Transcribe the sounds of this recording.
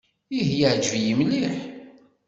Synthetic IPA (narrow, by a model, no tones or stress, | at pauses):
iɦjaʕd͡ʒəvjəmliħ